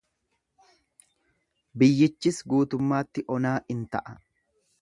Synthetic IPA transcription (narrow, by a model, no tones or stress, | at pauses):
bɪjːɪt͡ʃːɪsɡuːt̪ʊmːaːt̪ːɪʔɔnaːʔɪnt̪ɐʔɐ